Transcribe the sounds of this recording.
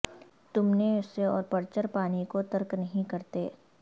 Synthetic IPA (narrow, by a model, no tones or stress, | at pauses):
t̪ʊmneʊsːeɔ̰ːɾpɐɾt͡ʃəɾpaːnikot̪ɐɾknɐɦĩkɐɾt̪eː